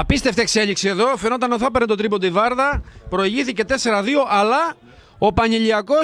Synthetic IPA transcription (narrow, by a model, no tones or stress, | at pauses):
ɐpist̪eft̪ekseʎiksieðo̞fenot̪ɐnoθɐpeɾnet̪ot̪ɾipod̪ivɐɾðɐpɾo̞iʝiθice̞t̪e̞se̞ɾɐðioʔɐlɐ | o̞pɐɲiʎiɐko̞